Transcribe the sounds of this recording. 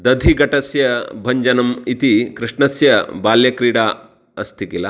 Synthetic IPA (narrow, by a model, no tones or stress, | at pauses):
d̪ɐd̪ʱiɡɐʈɐsjɐbʱɐɲd͡ʒɐnɐmit̪ikɾiʂɳɐsjɐbaːljɐkɾiːɽaː | ɐst̪ʰikilɐ